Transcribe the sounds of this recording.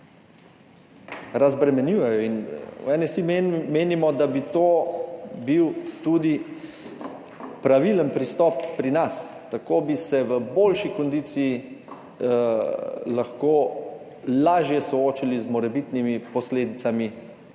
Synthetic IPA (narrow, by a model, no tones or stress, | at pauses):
ɾazbɾɛmɛnjuːjɛjɔinwɛnɛsimeːnimɔd̪abit̪oːbiwt̪uːd̪i | pɾaʋilənpɾist̪ɔpːɾinas | t̪akoːbisɛʋəboːlʃikɔnd̪iːt̪siː | laxkoː | laːʒjɛsɔoːt͡ʃilizmɔɾɛbit̪nimipɔsleːd̪it̪sami